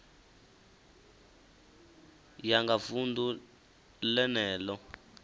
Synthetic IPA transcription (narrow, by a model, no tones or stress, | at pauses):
jaŋɡafundu | lɛnɛːlɔ